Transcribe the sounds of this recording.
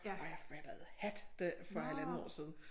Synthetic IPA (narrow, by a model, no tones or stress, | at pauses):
ɒjɑ̈fæd̥əð̩ˠhæd̥d̥efɒelænnəɒ̰ːsið̞ˠn̩